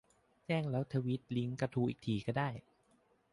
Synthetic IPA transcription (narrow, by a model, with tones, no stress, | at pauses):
t͡ɕɛː˥˩ŋlɛː˦˥wt̪ʰa˧wi˦˥t̪̚li˦˥ŋka˧t̪ʰuː˧ʔḭː˨˩k̚t̪ʰiː˨˩kɔː˥˩daː˥˩j